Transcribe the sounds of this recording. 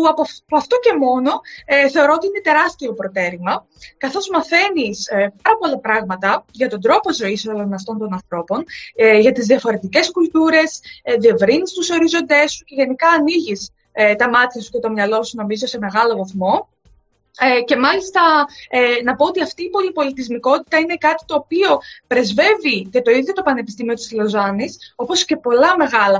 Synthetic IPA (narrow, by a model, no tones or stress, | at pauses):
uɐppoɐft̪oce̞mo̞no̞eθe̞oɾoot̪iinet̪e̞ɾɐst̪io̞pɾo̞t̪e̞ɾimɐ | kɐθo̞zmɐθe̞nispɐɾɐpo̞lɐpɾɐɣmɐt̪ɐʝɐt̪o̞nd̪ɾo̞pozo̞isolonɐft̪o̞nt̪o̞nɐnθɾo̞po̞nʝɐt̪izðiɐfo̞ɾe̞t̪ice̞skult̪uɾe̞sðie̞vɾinist̪uso̞ɾizo̞nd̪e̞sːuce̞ʝe̞nikɐːniʝis | t̪ɐmɐt̪çɐsu̥ce̞t̪o̞mɲɐlo̞suno̞mizo̞se̞me̞ɣɐlo̞vɐθmo̞ | ce̞mɐlist̪ɐ | nɐpo̞ot̪iɐft̪iːpo̞lipo̞lit̪izmiko̞t̪i̥t̪ɐine̞kɐt̪i̥t̪o̞ːpio̞pɾe̞zve̞vicet̪o̞iðjo̞t̪o̞pɐne̞pist̪imio̞t̪i̥slo̞zɐniso̞po̞sce̞po̞lɐme̞ɣɐlɐ